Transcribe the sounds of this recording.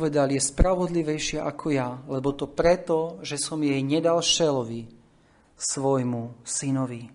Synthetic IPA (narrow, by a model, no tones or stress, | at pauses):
ʋɛd̪aljɛspɾaʋɔd̪liʋɛjʃɪɛʔakʰɔjalɛbɔt̪ɔpɾɛt̪ɔʒɛsɔmjɛjɲɛd̪alʃɛlɔʋi | sʋɔjmusinɔʋi